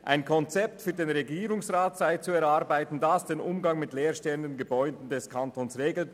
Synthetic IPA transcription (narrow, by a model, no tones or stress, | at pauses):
ʔʔaɪnkʰɔnt͡sɛp̚tfyːɐdeːnʁeɡiːʁʊŋsʁaːtz̥aɪt͡suɛɐʁaʁbaɪtn̩dasd̥eːnʔʊmɡɑŋmɪtleːɐʃtɛləndənɡəbɔʏdn̩dɛskʰantʰoːnsʁeːɡl̩